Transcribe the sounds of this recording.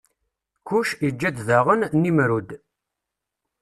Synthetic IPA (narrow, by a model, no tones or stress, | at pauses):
kuʃid͡ʒːæd̪ðaʁənnimɾud̪